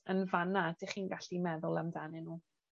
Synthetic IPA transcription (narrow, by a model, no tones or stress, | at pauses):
ənvanadɪχiːnɡaɬimɛðʊlˠamdanɛnuː